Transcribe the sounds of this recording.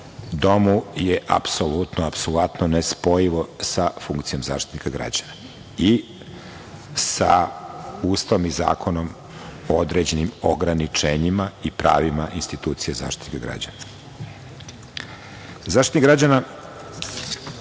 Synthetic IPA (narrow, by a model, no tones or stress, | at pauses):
ud̪o̞mujeʔa̰psolut̪noapsolˠat̪nonespo̞jiʋosafuŋkt̪sijo̞mza̰ːʃt̪i̥t̪nikaɡɾa̰d͡ʑana | i | sa | uːst̪aʋomiza̰ːkʰo̞nom | od̪ɾe̞d͡ʑe̞nimoɡɾanit͡ʂeːɲimaipɾa̰ːʋimaʔinst̪it̪uːt̪sijeza̰ːʃt̪itit̪nikaɡɾa̰d͡ʑa̰na | zaːʃt̪it̪niɡɾad͡ʑana